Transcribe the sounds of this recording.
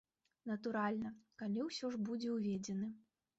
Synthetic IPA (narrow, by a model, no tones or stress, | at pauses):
nɐt̪uɾalʲnɐkalʲiwsʲɔʐbud͡zʲɛwvʲed͡zʲɛnɐ